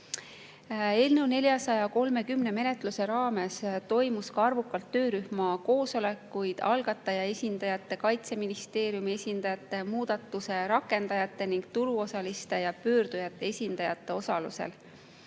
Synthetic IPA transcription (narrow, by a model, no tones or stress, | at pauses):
e̞ːlnewne̞lʲjɑsɑjɑko̞lme̞kymne̞me̞ne̞t̪ˑluse̞ɾɑːme̞st̪o̞jmuskɑɑrvukːˑɑlt̪ːø̞ːɾyhmɑko̞ːso̞le̞kːˑujd̪̥ɑlɡ̥ɑt̪ːˑɑjɑe̞sʲind̪̥ɑjɑt̪ːˑe̞kɑjt̪se̞minist̪e̞ːɾjumie̞sʲind̪̥ɑjɑt̪ːˑe̞muːd̪̥ɑt̪ːˑuse̞ɾɑkːˑe̞nd̪ɑjɑt̪ˑːe̞niŋɡ̥̚t̪uɾuo̞sɑlist̪e̞jɑpø̞ːɾd̪ujɑt̪ːˑe̞esʲind̪̥ɑjɑt̪ˑːe̞o̞sɑlṵse̞̰l